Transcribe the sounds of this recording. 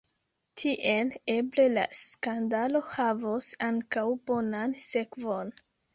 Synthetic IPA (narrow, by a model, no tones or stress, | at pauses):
tʰiʔe̞le̞ble̞la̰skandalo̞havosaŋkawbonanse̞kvo̞n